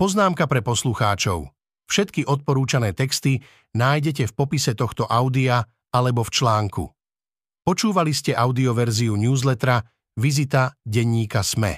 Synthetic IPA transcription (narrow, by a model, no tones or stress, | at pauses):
pɔznaːmkapɾɛpɔsluxaːt͡ʃɔ̰ʊ | fʃɛt̪kiʔɔt̪̚pɔɾuːt͡ʃanɛːt̪ɛkst̪i | naːjɟɛc̬ɛfpɔpisɛt̪ɔxt̪ɔʔaʊd̪ia | alɛbɔft͡ʃlaːŋkṵ | pɔt͡ʃuːʋaliscɛʔaʊd̪iɔʋɛɾziuɲuːzlɛt̪ɾa | ʋizit̪aɟɛɲːiːkasmɛ̰